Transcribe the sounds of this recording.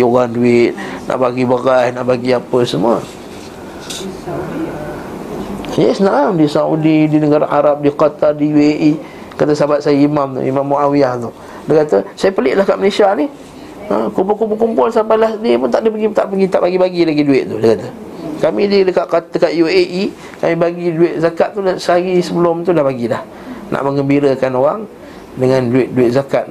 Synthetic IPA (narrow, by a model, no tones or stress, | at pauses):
oɣanduɪt̪̚na̰ʔbaɡibaɣahnaʔbaɡiapəsəmuə̰ | jəsnaamdisaṵdidinəɡaɾa̰ʔaɾap̚diqat̪ardijueʔi | kat̪əsabat̪̚sajaimamt̪ʊ̰ḭmamːuʔawiaht̪ʊh | dəkat̪əsajapəlɪʔlahkaʔməlesianih | ə̰kumpʊlkump̬ʊlkumpʊlsampajlahdiəpʊnt̪aʔdəpəɡit̪aʔpəɡit̪aʔbaɡibaɡilaɡiduɪʔ̪̚t̪udəkat̪ə | kamididəkaʔkadəkaʔ̪jueʔi | kamĩbaɡiduɪt̪̚zakat̪t̪ːulsəaɡisəbəlʊmt̪ulahbaɡilah | nʔa̰ʔməŋɡəmbiɾəkanoɾa̰ŋ | dəŋãnduɪt̪̚duɪt̪̚zakat̪̚